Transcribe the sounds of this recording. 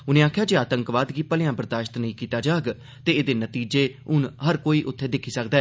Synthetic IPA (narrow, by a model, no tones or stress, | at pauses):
ʊnẽːaːkʰjaːd͡ʒeːaːt̪əŋkʋaːd̪ɡiːpəlɪjãːbɾəd̪aːʃt̪nəĩːkiːt̪aːd͡ʒaːɡ | t̪eːeːd̪eːnət̪iːd͡ʒeːʊnɦəɾkoːiːʔʊt̪ʰːeːd̪ɪkʰːiːsəkd̪aɛː